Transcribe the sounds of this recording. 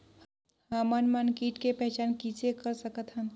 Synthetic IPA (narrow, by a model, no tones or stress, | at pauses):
hamənmənkiʈkepɛɦt͡ʃaːnkit͡ʃekəɾsəkət̪ɦən